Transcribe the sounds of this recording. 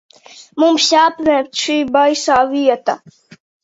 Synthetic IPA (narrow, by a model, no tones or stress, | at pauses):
mumɕaːpmẽt͡ɕʰibajsaːwiɐt̪a̰